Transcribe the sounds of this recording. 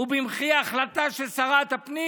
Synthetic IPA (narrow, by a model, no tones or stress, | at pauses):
ubimχijaːχlat̪aʃesaʁat̪apni